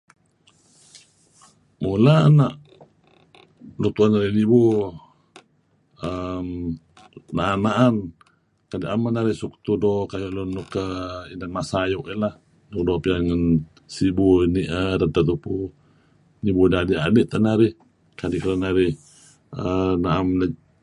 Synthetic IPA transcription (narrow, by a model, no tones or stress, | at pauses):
mulaanaʔ | lut̪uanaɾɪhnibu | əm | naʔanːaʔan | kadiʔamanaɾɪhsukt̪udɔkajuʔlunːukəinanmasajuʔilah | nuk̚dɔpianŋən | sibuniʔəɾənt̪at̪upu | nibudadiadiʔt̪aʔnaɾɪh | kadiʔkɾanaɾɪh | ənaʔamla